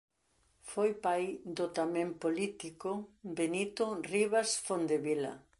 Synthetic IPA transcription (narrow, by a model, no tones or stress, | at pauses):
fojpajd̪ot̪amẽmpolit̪ikobenit̪oriβasfond̪eβila̰